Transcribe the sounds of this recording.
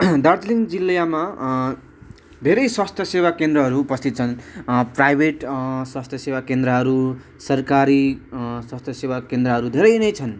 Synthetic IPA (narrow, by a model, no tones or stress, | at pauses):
d̪ʌrt̪liŋɡd͡zilːjama | d̪ʱeɾʌjswast̪ʰjʌsewakend̪rʌɦʌɾuːpʌst̪it̪̚t͡sʰʌnprajbʱeʈswast̪ʰjʌsewakend̪ɾʌɦʌɾu | sʌrkaɾiswast̪ʰjʌsewakend̪rʌɦʌɾud̪ʱeɾʌjnʌjt͡sʰʌn